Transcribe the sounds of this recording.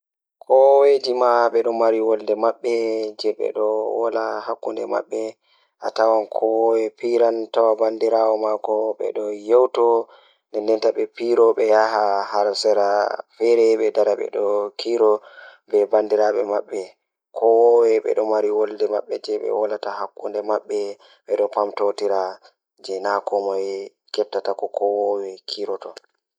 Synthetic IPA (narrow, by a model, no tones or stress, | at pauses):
kʰɔwed͡ʒimaɓɛɗɔmaɾiwɔldɛmaɓːɛd͡ʒɛɓɛ̰ɗɔwɔ̰lahakːundɛ̰ma̰ɓːɛ | ʔa̰tawankʰɔwɔwɛpiɾantawabandiɾawɔmakɔɓɛ̰ɗɔjewtɔ | nɛndɛntaɓɛpiɾɔɓɛjaɦahaɾsɛɾafɛɾɛɓɛdaɾaɓɛ̰ɗɔkiɾɔbɛbandiɾaɓɛmaɓːɛ | kʰɔwɔwɛɓɛ̰ɗɔmaɾiwɔldɛma̰ɓːɛd͡ʒɛɓɛ̰walatahakːundɛmaɓːɛ | ɓɛɗɔpamtotiɾa | d͡ʒɛnakɔmɔj | kɛp̚tatakɔkɔwɔwɛkʰiɾɔtɔ